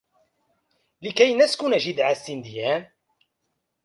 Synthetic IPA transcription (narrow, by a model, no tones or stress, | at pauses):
lɪkæjnæskunæʒid̪ʕasːind̪ijæːn